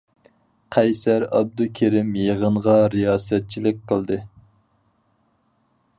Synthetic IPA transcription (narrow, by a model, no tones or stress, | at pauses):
qʰɛjsæɾɑb̚d̪ukʲʰeɾɪmjeʁəɴʁɑɾijɑːsɛt̪̚t͡ʃʰilɪk̚ʲqʰəlˠd̪ɨ